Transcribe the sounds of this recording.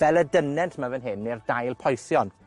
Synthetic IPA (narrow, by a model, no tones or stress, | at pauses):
vɛlˠədənɛntʰmavənɦɪnːerdajlˠpʰɔjθjɔn